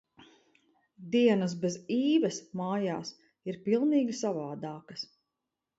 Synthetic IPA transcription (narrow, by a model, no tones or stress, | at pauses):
d̪iɛnɐs̬beziːvɛsmaːja̰ːs | iɾpilˠniːɡʲisavaːd̪aːkɐs